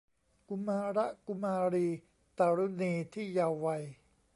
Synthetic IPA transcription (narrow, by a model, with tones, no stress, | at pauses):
ku˧maː˧ɾa˦˥ʔku˧maː˧ɾiː˧ | t̪a˧ɾu˦˥˩niː˧t̪ʰiː˥˩ja˧wːa˧j